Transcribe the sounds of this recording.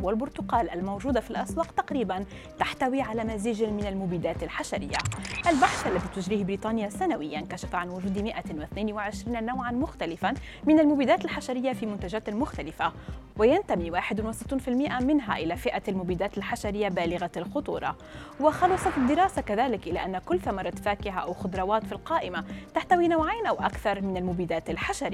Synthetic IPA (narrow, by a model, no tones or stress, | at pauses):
walbʊɾt̪ʊqɑːlʔalmawʒuːd̪afilʔɑswɑːqt̪ɑqɾiːban | t̪aħt̪awiːʕalaːmaziːd͡ʒmɪnalmʊbiːd̪aːt̪alħaʃaɾɪ̰jːa̰ʔalbaħʃʔalːat̪iːt̪ʊʒɾiːhbɾiːt̪ˤɑːnɪjasanawɪjːankaʃafʕanwʊʒuːd̪mɪʔawɪθneːnwɪʕɪʃɾiːnnawʕanmʊxt̪alɪfa | mɪnalmʊbiːd̪aːt̪ɪlħaʃaɾɪjːafiːmʊnt̪aʒaːt̪mʊxt̪alɪfawɪjant̪amiwaːħɪd̪nwɪsɪ̥t̪ˤːuːnfɪlmɪʔamɪnɦa̰ʔɪlafɪʔalmʊbiːd̪aːt̪alħaʃaɾɪjːabaːlɪɣalxʊt̪ˤṵːɾˤɑ̰ | wɪxɑlɑsˤɑd̪ːɪɾɑːsakaðaːlɪkʔɪla̰ʔanːakʊlːθamɑɾˤɑt̪faːkɪɦaʔawxʊd̪ɾˤɑwaːt̪filqɑːʔɪmat̪aħt̪awinawʕaːnʔawʔa̰kθɑɾˤmɪnalmʊbiːd̪aːt̪alħaʃaɾɪː